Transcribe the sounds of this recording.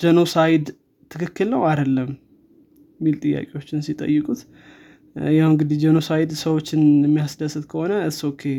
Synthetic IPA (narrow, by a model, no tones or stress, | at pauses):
d͡ʒəno̞sajɪd̪ | t̪ʰːɨkʰɨkːɨlnəwad̪əlːəm | jmːilt̪ʼɨjːa̰kʼewo̞t͡ʃːɪnsit̪ʼə̰jːɨkʼut̪ | jawɨŋɡɨd̪id͡ʒəno̞sajɪd̪səwo̞t͡ʃːɪnjɛmːijasd̪əsɨt̪kʰəho̞nəɨsokʰːe̞